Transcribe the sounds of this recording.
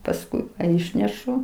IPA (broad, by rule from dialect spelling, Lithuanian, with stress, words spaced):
pɐsˈkʊɪ ˈɪʃʲnʲɛʃʊ